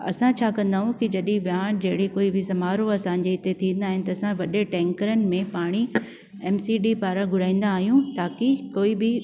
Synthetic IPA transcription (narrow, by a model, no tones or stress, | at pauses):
ɐ̰sãt͡ɕʰaːkɐ̃nd̪aːɦũkid͡ʑɐɗĩʋjãːʈd͡ʑɐɦɪɽekoːibʱɪsɐmaːɾoɐsãɲ̆d͡ʑeɪt̪et̪ʰĩːnd̪aːɦɪnɪ̆t̪ɐːsãʋɐɗeʈɛ̃ːŋkəɾənɪ̆mẽpaːɽ̃i | ɛːmsiːɖiːpaːɾaɡʱʊɽãːĩːn̆d̪aːɦijũt̪aːkikoːibɪ